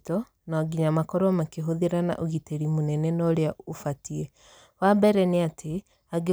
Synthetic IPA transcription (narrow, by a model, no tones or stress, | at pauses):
tɔ | naɡiɲamakɔɾɔmakeɦoðeɾana̰ʔoɣiteɾimonɛnɛnɔɾeaofatiɛ | wabɛɾɛneatʰe | aɡe